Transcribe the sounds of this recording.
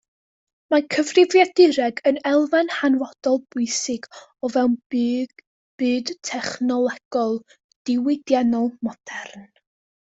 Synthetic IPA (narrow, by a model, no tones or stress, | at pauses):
makʰəvrɪvjadɪɾɛɡənɛlˠvanhanwɔd̥ɔlˠb̥ʊɨsɪɡɔvɛwn | b̥ɨːdtʰɛχnɔlˠɛɡ̥ɔlˠ | d̥ɪwɪdjanɔlˠmɔd̥ɛrn